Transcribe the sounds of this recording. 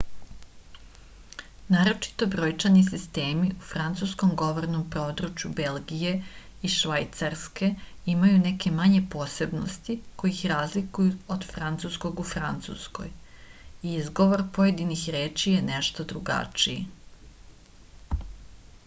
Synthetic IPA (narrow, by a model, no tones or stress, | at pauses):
naːɾo̞t͡ʃi̥t̪o̞bɾoːjt͡ʃanisist̪e̞ːmiufɾant̪suskomɡo̞ʋoɾnompɾo̞ːd̪ɾut͡ʃjube̞lɡije̞ | iʃʋajt̪saɾske̞ | imajuneke̞maɲe̞po̞ːse̞bno̰st̪iko̞jixɾaːzlikujuod̪̥fɾant̪susko̞ɡufɾant̪sṵsko̞̰j | iizɡo̞ʋo̞ɾpojed̪inixɾeːt͡ʃijeneʃt̪od̪ɾuɡa̰t͡ʃii